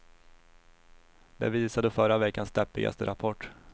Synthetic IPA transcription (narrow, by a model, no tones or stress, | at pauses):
d̪ɛ̰viːsad̪əfœɾavɛkːansd̪ɛpːɪɡa̰st̪əɾapʰɔʈː